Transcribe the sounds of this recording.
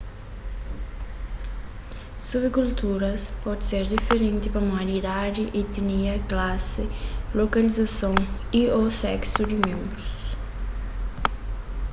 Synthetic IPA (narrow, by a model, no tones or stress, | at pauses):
suβɪkult̪uɾɐspɔd̪ɪseɾd̪ifeɾẽnt̪ɪpɐmaɾid̪ad͡ʒɪʔɪt̪iniɐklasɪlokalizasõŋ | iosɛ̰ksʊd̪ɪmẽmbɾʊs